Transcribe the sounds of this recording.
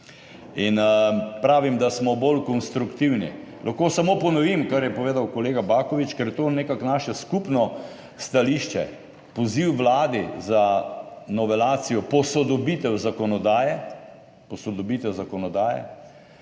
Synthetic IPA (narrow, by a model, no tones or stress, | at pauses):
inpɾaːʋimd̪asmɔbolkɔnst̪ɾukt̪iwnḭlʔaxkoːsamoːpɔnɔʋimkaɾjɛpɔʋeːd̪awkɔleːɡabaːkɔʋit͡ʃkɛɾjɛt̪oneːkaknaʃɛskupnɔ | st̪aliːʃt͡ʃɛ̰ | pɔziwʋlaːd̪izanɔʋɛlaːt̪sijɔpɔsɔd̪ɔbit̪ɛwzakɔnɔd̪aːjɛ | pɔsɔd̪ɔbit̪ɛwzakɔnɔd̪aːjɛ̰